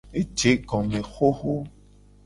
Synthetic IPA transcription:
e˦t͡ʃe˨˦kɔ̃˨mẽ˨xo˦ho˦

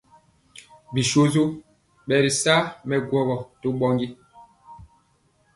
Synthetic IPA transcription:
bi˨ʃo˦zo˦ | ɓɛ˨ɾi˨sa˦mɛ˨ɡwɔ˨bɔ˨to˦ɓɔ˦ŋɡi˦

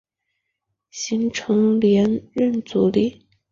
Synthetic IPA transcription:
ɕi˧˥ŋʈ͡ʂʰɤ˧˥ŋljɛ˧˥nɻə˥˩nt͡su˨˩li˥˩

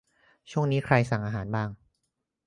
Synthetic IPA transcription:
t͡ɕʰu˥˩əŋniː˦˥kʰɾa˧jsa˨˩ŋʔaː˧ɦaː˩˦nbaː˥˩ŋ

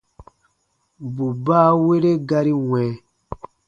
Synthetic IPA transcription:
bu˨baː˦we˦ɾe˦ɡa˦ɾi˦wɛ̃˨

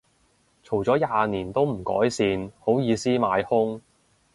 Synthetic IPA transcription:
t͡sʰo˨˩wt͡sɔː˨˥jaː˨˧niː˨˩nt̪o˥wm̩˨˩kɔ̰ː˨˥jsiː˨˧nho˨˥wjiː˨˧siː˥maː˨˧jhʊ˥ŋ

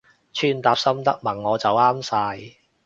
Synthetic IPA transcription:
t͡ʃʰyː˥nt̪aː˨˧p̚sɐ˥mt̪ɐ˥k̚mɐ˨˩ŋːɔː˨˧t͡sɐ˨waː˥msaː˧j

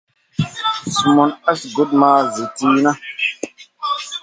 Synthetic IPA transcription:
su˨mo˦na˦sɡo˦t̚maː˦ze˨ti˦na˦

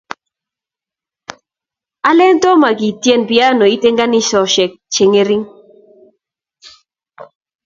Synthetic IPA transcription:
a˦lɛ˦ntɔ˦ma˨ɡi˨tje˦npɪa˦no˨i˦te˦ŋɡa˦nɪ˦sɔ˨ʃɛ˨k̚t͡ʃe˨ŋe˦ɾi˦ŋ

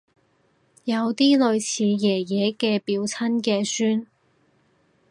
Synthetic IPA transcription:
jɐ˨˧wt̪iː˥lɵ˨˧ɥt͡sʰiː˨˧jɛː˨˩jɛː˨˧kɛː˧piː˨˧wt͡sʰɐ˥nkɛː˧syː˥n

